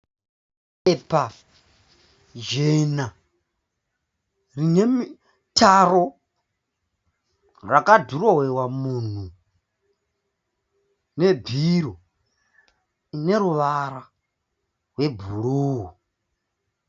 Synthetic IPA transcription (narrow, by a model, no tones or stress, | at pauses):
ɛpʰa | d͡ʒena | rinemi | tʰaɾo | rakʼaduɾowɛwamuːn̤u | nebʱiɾo | ineɾuʋaɾa | ɦwebʱuɺuːɦu